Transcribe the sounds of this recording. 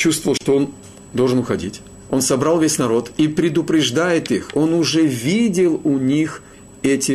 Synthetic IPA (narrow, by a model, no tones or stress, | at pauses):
t͡ɕust̪vəvlˠʂt̪oo̞n | d̪o̞lˠʐɨnʊxɐdʲḭtʲ | o̞nsɐbɾɑlˠvʲesʲnɐɾo̞t̪ipɾʲɪd̪ʊpɾʲɪʐd̪ajɪt̪ixo̞nʊʐɛvʲidʲɪlˠʊnʲix | ɛtʲɪ